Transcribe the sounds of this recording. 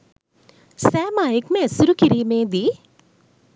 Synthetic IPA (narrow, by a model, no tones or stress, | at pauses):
sɛːmaːjɪkmɛ̃sʊɾukɪɾiːmẽd̪iː